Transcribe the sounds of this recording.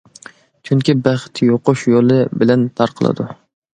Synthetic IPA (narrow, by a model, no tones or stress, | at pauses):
t͡ʃʰyŋkʲibæχt̪ʰjoqʊʃjolˠɨbɪlɛnt̪ʰɑɾqʰəlˠɨ̰d̪ʊ